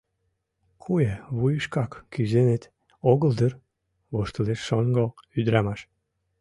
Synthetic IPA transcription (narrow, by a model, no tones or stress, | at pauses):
kʰueβujəʃkɑkːyzenet̪ | oɣəld̪ər | βoʃt̪əleʃːoŋɡoyd̪ɾɑmɑʃ